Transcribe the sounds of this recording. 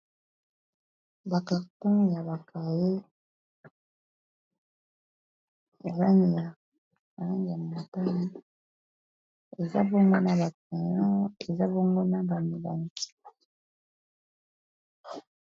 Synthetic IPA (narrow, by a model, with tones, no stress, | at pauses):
ba˨ka˨tu˦ŋja˨ba˨kʰa˨je˦ | ma˨la˦ŋi˨ja˨ | ma˨la˦ŋɡi˨a˨ma˨ta˦na˦ | e˨za̰˦bo˦ŋɡo˦na˦ba˨kɛ˨jɔ̃˦e˨za˦bo˦ŋɡo˦na˦ba˨mi˨la˨ŋ˨ki̥˨˦